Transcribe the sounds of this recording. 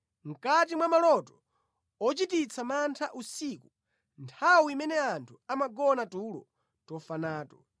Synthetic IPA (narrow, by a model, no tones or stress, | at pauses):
m̩kat̬imwamalɔtɔ | ɔt͡ʃitit͡sʰamantʰaʔusiku | ntʰawiimɛnɛantʰuamaɡɔnatuːlɔ̰ | tɔfanaːtɔ̥